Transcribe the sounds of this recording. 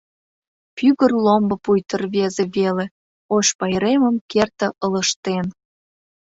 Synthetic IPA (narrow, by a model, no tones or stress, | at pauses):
pyɣərlombə̆pujt̪ərβezeβele | oʃpɑjəɾeməmkert̪ə̆ʔələʃt̪en